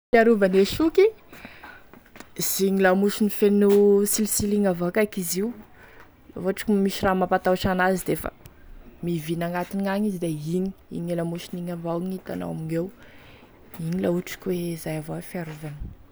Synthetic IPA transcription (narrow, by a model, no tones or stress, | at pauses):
fiaɾuvaneʃuki | z̥iɲilamuʃunifenusilisiliŋavakakiziw | la̰voaʈ͡ʂi̥kʲumiʃiramapat̪aʈ͡ʂanazid̪efə̰mivinaŋɡat̪iniaɲizid̪eiɲi̥ḭɲilamuʃiniŋavaiɲit̪a̰no̰wamiɲew | iɲilauʈ͡ʂi̥kʲwezajavawfiaɾuvanə̥